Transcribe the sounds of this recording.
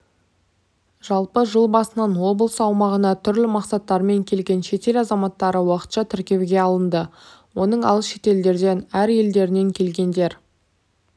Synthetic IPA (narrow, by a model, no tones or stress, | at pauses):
ʒ̥ɑlˠpəʒəlˠbɑsənɑnwo̞blˠəsɑwmɑʁənɑt̪ʰʏɾlɪmɑqsɑt̪ːɑɾme̞ŋkʲʰe̞lɡʲe̞nʃe̞t̪e̞lɑzɑmɑt̪ːɑɾəwɑqə̥t̪ʃɑt̪ʰɪɾkʲe̞wɡʲe̞ɑlˠənd̪əwo̞nəɴɑ̰lˠsʃe̞̥t̪e̞ld̪e̞ɾd̪e̞næɾje̞ld̪e̞ɾɪne̞ŋkʲʰe̞lɡʲe̞nd̪e̞ɾ